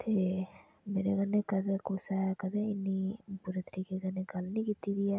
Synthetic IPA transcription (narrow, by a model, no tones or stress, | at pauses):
t̪ʰeː | meːɾeɡɐnːekɐd̪ekoːsaɦɛkɐd̪eɪnːipuːɾet̪əɾiːkeɡɐneɡɐlnĩkiːt̪idiɛː